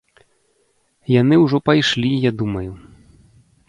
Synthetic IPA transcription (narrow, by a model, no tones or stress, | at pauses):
jan̪ɨwʐɔpajʂlʲijad̪umɐju